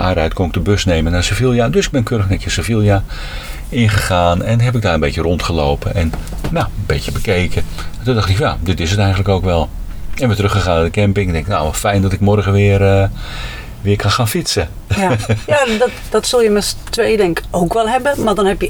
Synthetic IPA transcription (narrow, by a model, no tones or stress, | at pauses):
ʔarɛjtkʊnɪk̚dəbøsneːmənarsəfilˠjadøsɪɡ̚bɛnkʰøːɾəxnɛkjəsəfilˠja | ɪnχəχaːnɛnɦɛpɪk̚daːrənbetjərontχəloːwpənɛnnabeːtjəbəkeːkʰə | tondɑχtɪkfja̰dɪtɪsətɛjxəntləkowkʋɛlˠ | ɛnʋɪtrøxχəχaːnadəkɛmpɪŋdɛŋkɪkna̰wfɛjndɔtɪkmɔrɣəʋɪːərə | ʋɪərkʰanxaːnfitsə | jadtd̥ɔtsølˠjəmɛstʋejdɛŋkowkʋɛlˠɦɛbəmadɔnhɛpjə